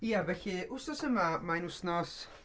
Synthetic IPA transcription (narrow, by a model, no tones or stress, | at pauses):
iavɛɬɪʔʊsnɔsəmamaɪnʊsnɔs